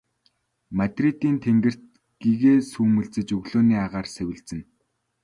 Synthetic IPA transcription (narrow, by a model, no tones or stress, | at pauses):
mat̪rit̪iːnt̪ʰeŋɡɘ̆r̥t̪ | ɡ̥iːɣeːsuːmɵ̆ɮt͡sɘ̆t͡ɕɵɣɮoːniːaʁaːrsewɘ̆ɮt͡sɘ̆n